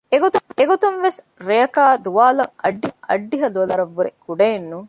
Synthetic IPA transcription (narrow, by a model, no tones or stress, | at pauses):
eɡot̪ueɡot̪unʋes | ɾejɐkaːd̪uʋaːlɐŋɐ̰ɖːiɐ̰ɖːiɦɐluɐlɐɾɐʋːuɾekuɖɐjenːuŋ